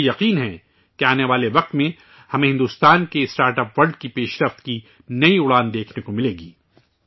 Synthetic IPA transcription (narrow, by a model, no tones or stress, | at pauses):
jɐqiːnɦɛ̃ | keaːneʋaːleʋɐq̚t̪mẽ | hɐmẽɦɪ̃nd̪uːst̪aːnkeɪsʈaːɾʈɐpʋɐɾɖkipeːʃɾɐft̪ki | nɐiʊɽaːnd̪eːkʰnekomɪleːɡiː